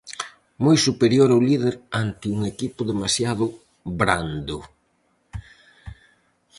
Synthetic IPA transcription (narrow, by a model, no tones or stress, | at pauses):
mojsupeɾjoɾawlið̞eɾant̪ɪuŋekipʊðemasjaðʊ | bɾand̪ʊ